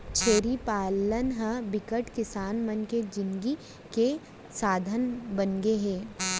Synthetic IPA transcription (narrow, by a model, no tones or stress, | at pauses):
t͡ʃʰeːɾipaːlənɦəbɪkəʈkɪsaːnmənked͡ʒɪ̃nɡi | ke | saːd̪ʱənbənɡeɦɛ̃ː